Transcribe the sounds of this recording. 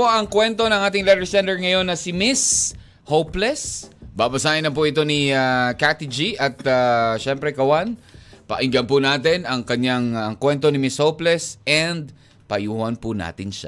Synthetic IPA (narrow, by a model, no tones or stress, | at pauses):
oʔɐŋkwɛnt̪o̞nɐŋʔaːt̪ɪŋlɛt̪ɛɹsɛnt̪ɛɹŋɐjo̞nːɐsɪmɪs | howplɛsbabɐsaːʔɪnlɐmp̬ʊʔɪt̪̬o̞niakat̪ɪd͡ʒiʔɐt̪aʃɛmpɾɛkɐwanpɐ̰ʔɪŋɡɐnpʊnaːt̪̬ɪnɐŋkɐɲːaŋɐŋkwɛnt̪o̞nɪmɪshowplɛsɛnd̪ | pɐjuːhɐnpʊna̰ːt̪ɪnʃa̰